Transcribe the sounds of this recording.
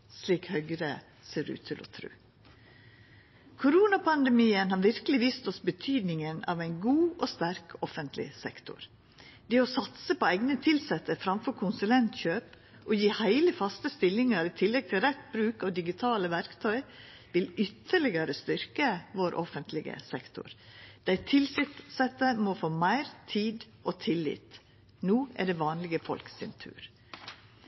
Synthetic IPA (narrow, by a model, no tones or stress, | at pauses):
sliːkhœɡɾə | seːɾʉ̰ːt̪ʰɪlɔ̰t̪ʰɾʉ̰ː | kʰʊɾuːnɑpɑnd̪ɛmiːənhɑːɾʋɪɾkəlɪʋiːst̪ɔsbət̪ʰyːd̪nɪŋənɑ̰ʋæɪnɡuːʔoːst̪æɾkʰɔfənt̪ʰlɪ̰sɛkt̪ʊ̰ɾ | d̪ɛːɔsɑt̪səpoæɪɡnət̪ʰɪlsɛt̪ːəfɾɑmfɔɾkʰʊnsʉlɛnt̪çøːp | ʔɔjiːhæɪləfɑst̪əst̪ɪlːɪŋəɾɪt̪ʰɪlːɛɡ̚t̪ʰɪlɾɛt̪bɾʉːkɔd̪ɪɡɪt̪ʰɑːləʋæɾkt̪ʰœʏ | ʋɪlʏt̪ʰːəɭɪɡəɾəst̪ʏɾkəʋoːɾʔɔfənt̪ʰlɪɡə̰sɛkt̪ʰʊ̰ɾd̪̥æɪt̪ʰɪlsɪsɛt̪ːəmofoːmæɪɾt̪ʰiːd̪ʔot̪ʰɪlɪ̰ːt̪ | nuːæ̰ɖɛːʋɑːnlɪɡəfɔ̰lksɪ̰nt̪ʰʉ̰ːɾ